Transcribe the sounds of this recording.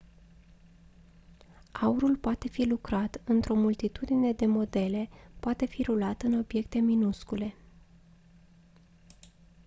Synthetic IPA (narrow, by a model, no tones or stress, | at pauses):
auɾulpoat̪e̞filukɾat̪ɨnt̪ɾo̞mult̪it̪ud̪ine̞d̪e̞mo̞d̪e̞le̞poat̪e̞fiɾulat̪ɨno̞bije̞kt̪e̞minuskule̞